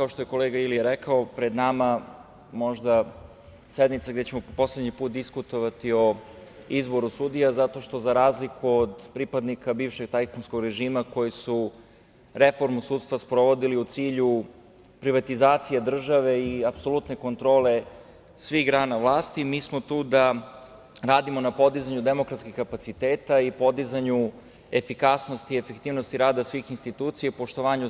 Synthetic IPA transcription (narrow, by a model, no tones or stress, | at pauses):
kao̞ʃt̪ojeko̞leɡailiɾekaopɾe̞d̪nama | mo̞ʒd̪a | sed̪mit̪saɡd̪et͡ɕe̞mopo̞sle̞d̪ɲipuːt̪̚d̪iskut̪o̞ʋat̪io̞ | izbo̞ɾusud̪ijazat̪o̞ʃt̪o̞zaɾaːzlikuod̪pɾipad̪nikabiːvʃe̞ɡt̪ajkonsko̞ɡɾeʒiːmako̞jisu | ɾefo̞ɾmusuːt̪st̪ʋaspɾo̞ʋo̞d̪iliut̪siːʎu | pɾiʋat̪izaːt̪sijad̪r̩ʒaʋe̞iapso̞lut̪neko̞nt̪ɾo̞ːle̞ | sʋiɣɡɾaːnaʋlˠaːst̪imiːsmo̞t̪uːd̪a | ɾaːd̪imonapo̞d̪izaɲud̪emokɾat̪skixkapat̪sit̪eːt̪aipo̞d̪izaɲu | efikasno̞st̪iefekt̪iːʋno̞st̪iɾaːd̪asʋixinst̪it̪uːt̪sijaupo̞ʃt̪o̞ʋaːɲu